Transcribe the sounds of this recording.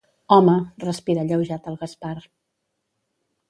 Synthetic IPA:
ɔmərəspiɾəʎəwʒat̪əlˠɣəspar

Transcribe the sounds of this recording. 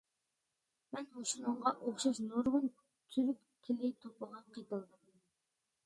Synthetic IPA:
mɛnhoʃunɨɴʁɑʔoχʃɑʃnoɾʁʊn | t͡ʃ̪ʰyɾyp | kʲʰːɪlɪt̪ʰopʰəʁɑqʰət̪ɨlˠd̪ɨm

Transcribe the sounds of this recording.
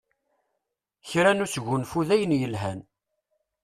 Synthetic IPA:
çɾænusʝunfuðæjənjəlɦæn

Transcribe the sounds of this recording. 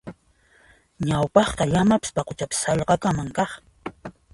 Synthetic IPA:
ɲawpɑχqɑʎamapɪ̥spɑqot͡ʃapɪ̥sɑʎqɑkamaŋkɑχ

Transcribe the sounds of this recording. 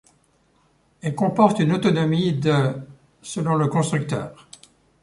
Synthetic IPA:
ɛlkɔ̃pɔʁt̪ynot̪ɔnɔmid̪ | səlɔ̃ləkɔ̃st̪χyk̚t̪œ̰ːʁ

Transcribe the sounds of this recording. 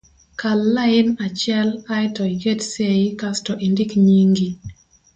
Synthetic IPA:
kalːaɪnat͡ʃɛlaɪtɔɡetseikastɔʔindikɲiŋɡi

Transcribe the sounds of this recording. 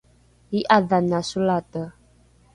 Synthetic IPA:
iʔaðanasulatə

